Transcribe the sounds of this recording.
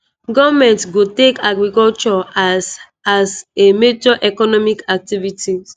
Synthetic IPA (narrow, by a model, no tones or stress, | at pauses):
ɡɔvmɛ̃ntɡotekaɡɹikɔlt͡ʃɔ | asemed͡ʒɔʔɛkɔnɔmikak̚tiviti